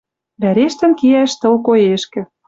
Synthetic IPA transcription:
βæɾeʃt̪ɘ̆nkiæʃt̪ɤ̆lkojeʃkɘ̆

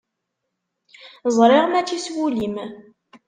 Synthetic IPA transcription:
zˤɾˤɪʁmæt͡sːiswulim

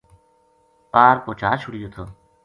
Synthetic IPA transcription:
paːɾkoːt͡ʃʰaːt͡ʃʰʊɽɪjoːt̪ʰoː

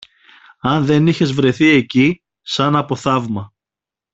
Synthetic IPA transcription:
ɐnðe̞niçe̞zvɾe̞θie̞ci | sɐnɐpo̞θɐvmɐ

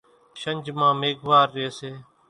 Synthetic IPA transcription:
ʃəɲʲd͡ʒmãːmeːɡʱʋaːɾːeːseː

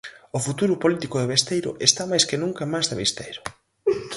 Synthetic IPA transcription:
ofut̪uɾʊpolit̪ikʊðeβest̪ejɾʊ̰ʔest̪amajskɪnũŋkɐmajzðeβist̪ejɾʊ

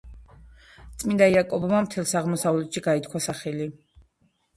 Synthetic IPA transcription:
t̪sʼmind̪aiakʼɔbamamt̪ʰɛlˠsaʁmɔsavlɛt̪ʃiɡait̪ʰkʰwasaχɛli

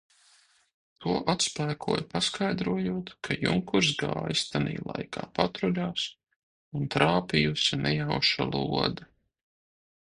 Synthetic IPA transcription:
t̪uɔʔat̪spæːkʰuɔjpaskajd̪ɾuɔjuːɔt̪kʰajṵŋkuɾs̬ɡa̰ːjst̪anḭːlˠa̰jkʰa̰ːpat̪ɾɔlaːs | unt̪ɾaːpijusinɛjawʃa̰lˠṵɔd̪a

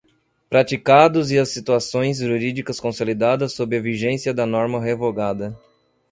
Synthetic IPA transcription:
pɾat͡ʃikad̪ʊziɐsːit̪uasõj̃zʒuɾid͡ʒikɐskõsolid̪ad̪ɐsːobɾɪɐviʒẽsiɐd̪ɐnɔɾmɐɦevoɡad̪ɐ

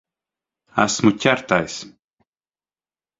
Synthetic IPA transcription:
a̰smucʲaɾt̪ajs

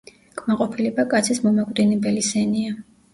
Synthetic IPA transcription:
kʼmaqʼɔpʰilɛbakʼat̪sʰismɔmakʼwd̪inɛbɛlisɛnia

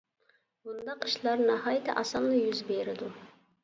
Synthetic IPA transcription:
bund̪ɑqiʃlˠɑɾnɑɦɑːjɪt̪ʰɪ̰ʔɑsɑmnɨjyzbeɾɪd̪u

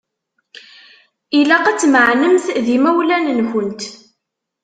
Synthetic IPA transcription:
ilæqæt͡sːməʕnəmθðimæwlænənçənt̪

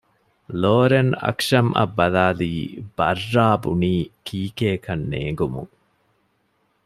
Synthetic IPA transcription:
loːɾenɐ̰kʂɐmʔɐ̰bːɐlaːliːb̥ɐrːaːbuniːkʰiːkeːkɐnːḛːŋɡumṵŋ

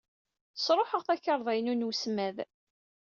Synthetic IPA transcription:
sɾˤoħəʁθæçəɾˤðˤæjnunwsmæð

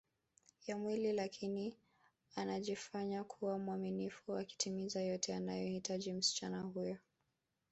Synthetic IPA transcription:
jamwililakʰini | anaʄifaɲakʰuwamuwaminifuaki̥tʰimizajɔtʰɛanajɔhitʰaʄim̩si̥t͡ʃanahujɔ

